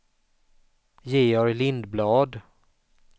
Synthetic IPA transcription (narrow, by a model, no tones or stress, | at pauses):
jeːɔɾlɪnd̪blɑːd̪